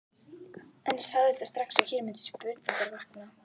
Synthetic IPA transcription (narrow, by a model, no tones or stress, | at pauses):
ɛnsaɣðɪθast̪ɾaksawçɪɾmʏnt̪ɪ̥spʏt̪nɪk̪aɾvahkna